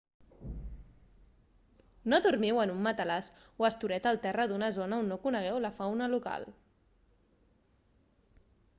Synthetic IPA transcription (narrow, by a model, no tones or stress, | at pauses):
noðuɾmiwənumːət̪əlaswəst̪uɾɛt̪əlˠt̪ɛrəd̪unəzonəunːokunəɣ̞ɛwləfawnəluka̰lˠ